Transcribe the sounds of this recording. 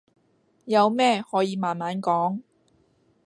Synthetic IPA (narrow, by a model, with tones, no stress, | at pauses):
jɐ˨˧wmɛː˥˩hɔː˨˥jiː˨˧maː˨˩nmaː˨˥nkɔː˨˥ŋ